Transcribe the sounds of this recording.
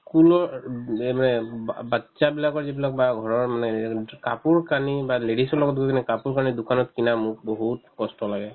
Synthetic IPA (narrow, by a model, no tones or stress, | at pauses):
skulɔɹmanɛbatsabilakɔɹzibilak̚baɡʱɔɹɔɹmanɛkapuɹkanibaledisɔɹlɔɡɔt̚duɡɔkinɛkapuɹkanidukanɔtkinamʊk̚boɦut̚kɔstɔlaɡɛ